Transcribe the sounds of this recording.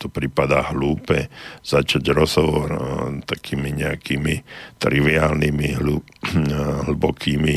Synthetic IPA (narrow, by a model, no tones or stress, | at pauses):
t̪ɔpɾipad̪aːɦluːpɛz̥at͡ʃaɟɾɔzɦɔʋɔɾt̪akʰiːmiɲɛakiːmit̪ɾiʋiaːlnimiɦlu | ɦl̩bɔkʰiːmi